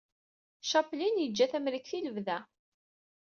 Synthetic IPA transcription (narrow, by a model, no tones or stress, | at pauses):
ʃɑplinjəd͡ʒːæθæmɾikθiləvðæ